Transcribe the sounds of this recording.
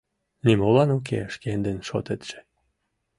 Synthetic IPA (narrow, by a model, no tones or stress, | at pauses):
nimolɑnok̬ḛəʃkend̪enʃo̰t̪et̪ʒ̥ĕ̥